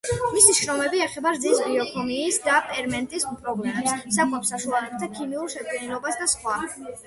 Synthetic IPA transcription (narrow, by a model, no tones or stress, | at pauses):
misiʃɾɔmɛbiɛχɛbaɾd̪zisbiɔkʰɔmiːsd̪apʼɛɾmɛnt̪ʼisupʰʼɾɔɡlɛmɛpssakʼwapsaʃualɛb̚t̪ʰakʰimiuɾʃɛp̪ʼɛnilɔbasd̪asχwa